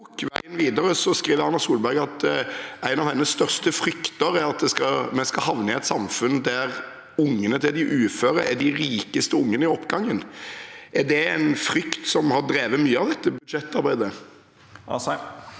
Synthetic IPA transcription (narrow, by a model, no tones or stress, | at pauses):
kʋæɪənʋiːd̪əɾəsɔskɾiːʋəɾɑnːɑsuːlbæɾɡɑt̪æɪnɑʋhɛnːəst̪œʁst̪əfɾʏkt̪əɾæɾɑt̪̚d̪ɛskɑmɛnskɑhɑʋnəɪɛt̪sɑmfʉnd̪æʁ | ʊŋːənət̪ʰɪld̪ɪʔʉːføːɾəɾæ̰ɖ̪ɪɾiːkəst̪əʊŋːənəɪɔpːɡɑŋːənʔæɖ̪ɛæɪnfɾʏkt̪sɔmhɑd̪ɾeːʋəmyːəɑʋd̪ɛt̪ːəbʉd̪ʂɛt̪ːɑɾbæɪd̪ə